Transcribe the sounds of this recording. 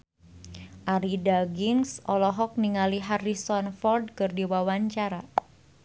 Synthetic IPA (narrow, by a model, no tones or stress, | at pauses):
ʔaɾidaɡiŋsʔɔlɔɦɔk̚niŋaliɦarisɔnfɔrd̚kɨrdiwawaɲt͡ʃaɾa